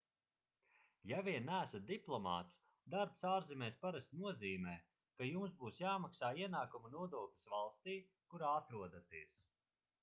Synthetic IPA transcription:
javiɛnːæːsat̪̚d̪iplˠɔma̰ːt̪s | d̪aɾpsaːɾzimʲɛːspaɾasʲt̪nuɔziːmɛː | kajumsbuːsjaːmaksaːiɛnaːkumunuɔd̪uɔklʲi̥svalˠst̪iː | kuɾaːat̪ɾuɔd̪at̪iɛs

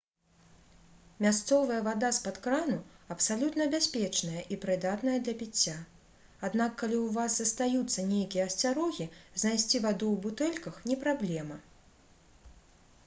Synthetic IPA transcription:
mʲast̪sɔvɐjɐvad̪aspat̪kɾanuɐpsalʲut̪nɐbʲasʲpʲɛt͡ʂnɐjɐʔipɾɨd̪at̪nɐjɐd̪lʲɐpʲit͡sʲːa | ad̪nakːalʲiwvazzɐst̪ajut̪sːɐnʲejkʲijɛːsʲt͡sʲaɾɔɣʲiznajsʲt͡sʲivad̪uwbut̪ɛlʲkɐxnʲɛpɾablʲɛmɐ

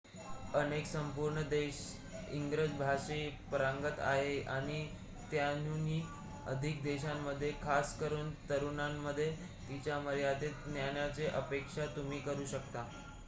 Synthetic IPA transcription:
əneksəmpuɾɳəd̪eɕ | ḭŋɡɾəd͡zbʱaʂepəɾaŋɡət̪a̰ɦeaɽ̃i | t̪janniː | əd̪ʱik̚d̪eɕamːəd̪ʱːjekʰaskəɾuːnt̪əɾuɳamːəd̪ʱːje | t̪it͡ɕjaməɾjad̪et̪njaɳjat͡seʔəpekʂat̪um̤iːkəɾuːɕəkt̪a

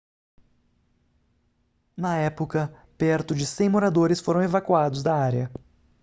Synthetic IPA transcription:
nɐɛpokɐ | pɛɾt̪ʊd͡ʒɪsẽj̃moɾad̪oɾɪsfoɾɐ̃w̃evakwad̪ʊzd̪ɐaɾjɐ

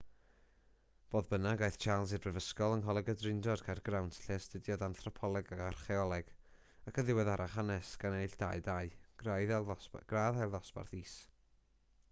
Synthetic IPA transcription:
b̥oːðbənaɡajθt͡ʃʰalˠsɨdvrɛvəskɔlˠənɦɔlˠɛɡədrɪndɔd̥kʰajrɡrawntʰɬɛstədjɔdanθrɔpʰɔlˠɛɡaɡarχɛɔlˠɛɡ̥ | akʰəðɪwɛðaɾaχanɛsɡ̥anejɬd̥aɨdaɨɡ̥rajðɛlɡ̥raːðɛlˠðɔsb̥a̰rθiːs

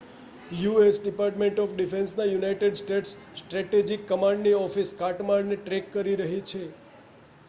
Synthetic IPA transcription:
juesɖɪpaɾʈmẽɳʈɔfɖifensnajunajʈeɖsʈeʈssʈɾɛʈed͡ʒikːəmaɳɖniɔfiskaʈmaɭneʈɾekːəɾiɾəɦit͡ʃʰe

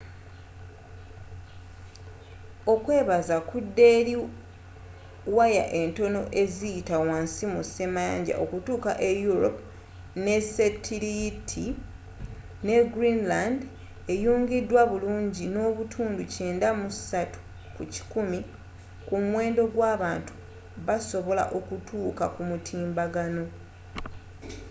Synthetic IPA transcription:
o̞kwe̞ːβazakudːe̞ːɾi | waja̰ʔe̞nto̞no̞ʔe̞zijitawaːnsimuse̞maːɲɟa̰ʔo̞kutuːkaʔe̞juɾo̞̰pu | ne̞setʰilitʰi | ne̞ɡɾinland | e̞juːŋɡidːwaβuluːɲɟino̞ːβutʰuːnduce̞ːndamusatu̥ | kuci̥kumi | kumwe̞ːndo̞ɡwaːβaːntu̥ | βaso̞βo̞la̰ʔo̞kutʰuːkakumutʰiːmbaɡano̞

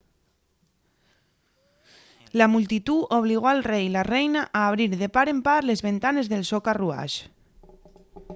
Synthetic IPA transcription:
lamult̪it̪uoβ̞liɣ̞oalrejlarejnaʔaːβ̞ɾiɾðepaɾempaɾlezβent̪anezðelsokarua̰ʒ

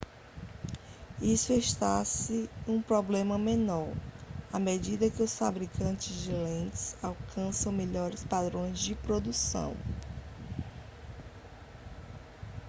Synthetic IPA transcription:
isʊeʃt̪asɪũpɾɔblẽmɐmẽnɔɾamed͡ʒid̪ɐkɪʊsfabɾikɐ̃t͡ʃɪzd͡ʒɪlẽnt͡ʃɪ̥z̥awkɐ̃sɐ̃w̃meʎɔɾɪspad̪ɾõj̃zd͡ʒɪpɾod̪usɐ̰̃w̃

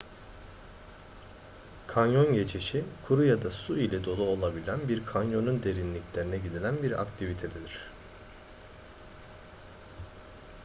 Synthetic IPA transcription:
kʰanjo̞nɟe̞t͡ʃʰiʃikʰuɾujad̪asuilʲɛd̪o̞lˠuo̞lˠabilʲænbiɾkʰanjo̞nund̪e̞ɾinlʲiclʲe̞ɾinɛɟid̪ilʲænbiɾa̰kt̪ʰivit̪ʰed̪ed̪iɾ̝̥

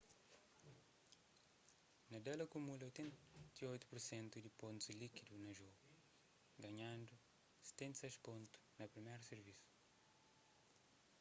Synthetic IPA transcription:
nɐd̪elɐkumulɐojt̪ẽnt̪iojt̪u̥puɾsẽnt̪ud̪ipõnt̪ulikid̪unɐʒoɡu | ɡɐɲãnd̪u | se̥t̪ẽnt̪sɛʃpõnt̪u̥nɐpɾimeɾuseɾvisu̥

